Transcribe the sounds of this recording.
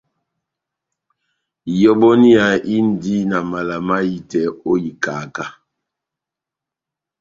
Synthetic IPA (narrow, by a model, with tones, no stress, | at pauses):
jɔ˦ɓɔ˦ni˦a˨ʔi˦n̩˨di˦na˨ma˨la˨ma˦ji˨tɛ˨˦o˦ji˨ka˨ka˦